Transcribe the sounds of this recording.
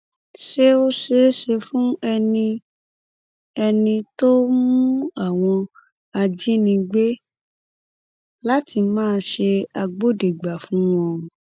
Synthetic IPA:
ʃe˦o˦ʃe˨˦ʃe˧fũ˦ɛ˧nĩ˧ | ɛ˧nĩ˧to˦mũ˦a˦˨w̃ɔ̃˧ | a˧d͡ʒi˦nĩ˧ɡ͡be˦ | la˦ti˧mãː˦˧ʃe˧a˧ɡ͡bo˦de˨ɡ͡ba˨fũ˨˦w̃ɔ̃˧˨

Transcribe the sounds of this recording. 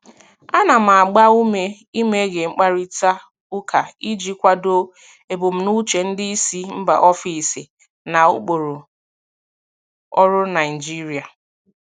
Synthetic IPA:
a˦na˨m̩˨a˨ɡ͡ba˦u˦me˦ | i˦me˦ɡe˨ŋ͡m̩˦k͡pa˦ɾi˦ta˦ | ʊ˦kʰa˨i˦d͡ʒi˦kʷa˦do˦ | e˨bo˨m̩˨nu˦t͡ʃe˨n̩˦dɪ˦i˦si˦m̩˦ba̰˨ʔɔ˦fi˨si˨ | na˨ṵ˦k͡po˨ɾo˨ | ɔ˦ɾʊ˦na˨d͡ʒi˦ɾi˨a˨

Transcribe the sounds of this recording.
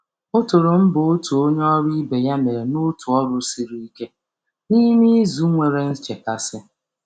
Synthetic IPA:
ʊ˦tʊ˨ɾʊ˨m̩˦bʊ˨ʊ˦tu˨o˦ɲe˦ɔ˦ɾi˦be˨ja˦me˨ɾe˨nʊ˦tu˨ɔ˦ɾʊ˦si˦ɾi˦i˦ke˦ | ni˦mi˦zu˦ŋʷe˨ɾe˨n̩˦t͡ʃe˨ka˨sɪ˦

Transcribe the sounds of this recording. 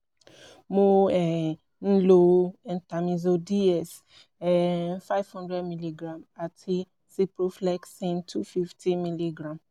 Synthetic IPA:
mo˨˦ɛ˨ | n̩˦lo˧ɛ̃˨nta˨mĩ˨zo˧di˦ɛ˨s | ɛ˨fa˦ɪvhɔ̃˦ndɹɛ˦dmi˦li˦ɡɾã˨ma˨tʰi˦ | si˦pɾo˦flɛ˦ksĩ˦ntʰu˦fi˦ftʰĩ˦mi˦li˦ɡɾã˨m

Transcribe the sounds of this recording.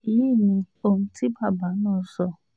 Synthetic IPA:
i˨˦i˦˨nĩ˧ | o˧m̩̃˧tʰi˦ba˦˨ba˨˦nãː˦˨˦sɔ˧˨

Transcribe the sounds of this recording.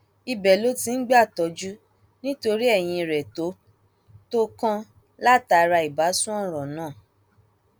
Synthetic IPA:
i˧bɛ˨lo˦ti˧n̩˦ɡ͡ba˦˨tɔ˨˧˦d͡ʒu˦ | nĩ˦to˧ɾi˦ɛ˦˨j̃ĩ˧˨ɾɛ˨to˨˦ | to˦kã˦ | la˦˨ta˧ɾa˧i˨ba˨˦sũ˦ɔ̃˦˨ɾ̃ɔ̃˨nãː˦˨

